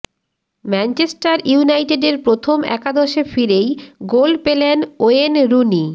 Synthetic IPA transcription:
mɛnt͡ɕesʈaɾjunajʈeɖeɾpɾot̪ʰomɛ̰kad̪oʃefiɾejɡolpelenoenɾuni

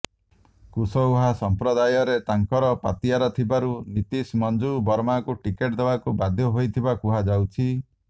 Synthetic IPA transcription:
kusɔwɦasɔmpɾɔd̪ajɔɾet̪aŋkɔɾɔpa̰t̪iaɾɔt̪ʰibaɾulit̪ismɔnd͡ʒubɔɾmakuʈikeʈd̪ebakubad̪ʱjɔɦojt̪ʰibakuɦad͡ʒawt͡ʃʰi

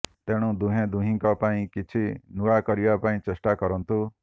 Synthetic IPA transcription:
t̪eɽ̃ũd̪uɦẽd̪uɦĩŋkɔpaĩkit͡ʃʰinuɭakɔɾibapaĩt͡ʃesʈakɔɾɔnt̪u

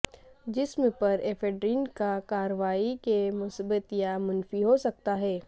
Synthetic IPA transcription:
d͡ʒɪsmẽpɐɾeːfʰeːɖɾiːnkakaːɾəʋaːikemʊsbət̪jamʊnfiɦosɐk̚t̪aɦɛː

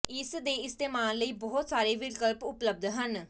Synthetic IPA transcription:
ɪsd̪eːɪst̪eːmaːlːəiːbɔːɦʊt̪saːɾeːʋɪlkəlpʊpləb̚d̪ʱɦən

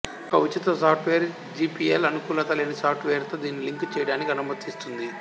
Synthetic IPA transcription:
ɔkɐʋit͡ʃit̪ɐsaːpʈʋeːɾ | d͡ʒiːpielɐnukuːlɐt̪ɐleːnisaːpʈʋeːɾt̪o̞ːd̪iːnːiliŋkt͡ʃɛːjɐɽaːnikiɐnɐmɐt̪ist̪und̪i

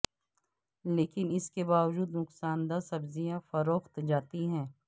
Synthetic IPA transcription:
leːkɪnɪskebaːʋd͡ʒuːd̪nʊksaːnd̪asɐbzijãfɐɾoːxt̪d͡ʒaːt̪iɦɛ̃ː

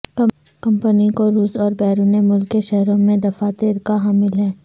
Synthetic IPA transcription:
kɐ | kɐ̃mpənikoɾuːsɔːɾbɛːɾuːnemʊlkːeʃɛɦɾõmẽd̪ɐfaːt̪ɪːɾkaɦaːmɪlɦɛː

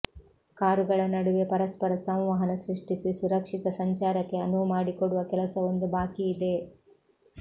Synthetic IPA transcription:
kaːɾuɡɐɭɐnɐɽuʋe̞pɐɾɐspɐɾɐsɐ̃w̃ʋaɦɐnɐsɾiʂʈisisuɾɐkʂik̪ɐsɐɲt͡ʃaːɾɐkːe̞ɐnumaːɽikoɽuʋɐkɛlɐsɐʋond̪ubaːkiːd̪e̞

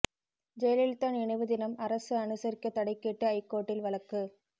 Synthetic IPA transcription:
d͡ʒɛjlɪlt̪ɐnɛɳɪʋɯðɪnɐmɐɾɐsɯɐɳɯsɐɾɪkːɐt̪ːɐɽɐɪkːɛʈːɯɐɪkːoːʈːɪlʋɐlɐkːɯ

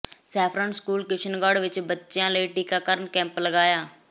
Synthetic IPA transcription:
sɛːpʰɾãːnskuːlkɪt͡ʃʰənɡaːɖʋɪt͡ʃbətːʃjãːləiːʈiːkaːkəɾnkɛ̃ːmpləɡaːjaː

